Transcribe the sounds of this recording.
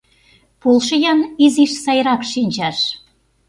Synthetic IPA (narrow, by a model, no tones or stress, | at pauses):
polˠʃə̆jɑniziʃsɑjɾɑkʃinʲt͡ɕɑʃ